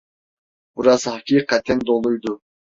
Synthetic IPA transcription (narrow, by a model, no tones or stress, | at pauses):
buɾɑzhɑkʲiqːæt̪ʰːɛnd̪olˠujd̪ʊ